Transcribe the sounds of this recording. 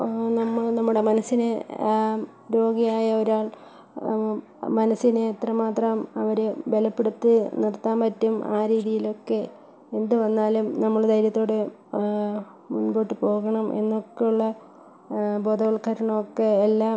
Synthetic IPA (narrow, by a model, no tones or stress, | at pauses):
nɐmːɐɭnɐmːuɽe̞mɐnɐsine | ɾo̞ːɡijaːjɐoɾaːɭ | mɐnɐsːineːt̪rɐmaːt̪rɐmɐʋɐɾeʋelɐpːeɽut̪ːɨnirt̪ːaːmpɐtːuma̰ːɾiːðijilo̞kːe̞ | end̪ɨʋɐnːaːlumnɐmːɐɭd̪ɐjɾjɐt̪ːo̞ːɽe | munbo̞ːʈːɨpo̞ːɣɐɳɐmʔe̞̰nːokːejuɭːɐ | bo̞ːd̪ɐʋɐɭkʰːɐɾɐɳɐmokːeːlːaː